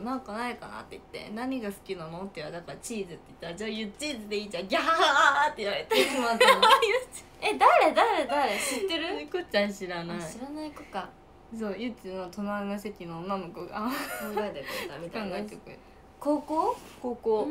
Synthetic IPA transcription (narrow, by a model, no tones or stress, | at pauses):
nãŋkanaikana̰t̪ːeit̪ːe̞̰naɲ̟iɡasɨ̥kʲinano̞t̪ːeɯβad̪akaɾat͡ɕiːzɨt̪ːe̞i̥t̪ːaɾad͡ʑaːjɯ̟t͡ɕiːzɨd̪e̞iːd͡ʑãŋɡʲat̪ːe̞iβaɾet̪akimat̪mit͡ɕ | ed̪aɾed̪aɾed̪aɾeɕit̪ːe̞ɾɯkot͡ɕãɕiɾanaɕiiɾanaikoka | so̞ːjɯ̟t͡sɨnot̪ʰo̞naɯnas̬e̞kʲinoːnːanokoɡa̰ãɡaet̪et̪amik̪kãŋɡaeekɯ̟ | ko̞ːko̞ːko̞ːkoː